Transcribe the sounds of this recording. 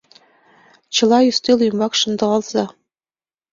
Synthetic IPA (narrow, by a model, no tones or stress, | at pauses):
t͡ɕɤ̆lˠɑjyst̪elujmɑkʃɤ̆nd̪ɤ̆ʁɑlz̥ɑ